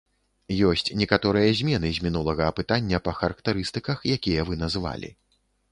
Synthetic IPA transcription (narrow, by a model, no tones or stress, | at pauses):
jɔsʲt͡sʲnʲɛkat̪ɔɾɨjɐzʲmʲɛnɨzʲmʲinulˠɐɣɐːpɨt̪anʲːɐpɐxɐɾɐkt̪aɾɨst̪ɨkɐxjakʲijɐvɨnɐzɨva̰lʲḭ